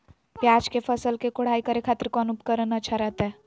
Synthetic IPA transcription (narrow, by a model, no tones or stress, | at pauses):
pjaːd͡ʒkefʰəsəlkekoɽ̤aːikəɾekʰaːt̪ɾkɔnupkəɾənət͡ʃʰaɾəɦt̪ɛ